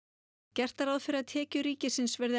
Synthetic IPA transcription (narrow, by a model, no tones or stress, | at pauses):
cɛr̥t̪aɾaðfɪɾɪaðt̪ʰɛːcʏɾiːcɪsɪnsvɛɾðɪ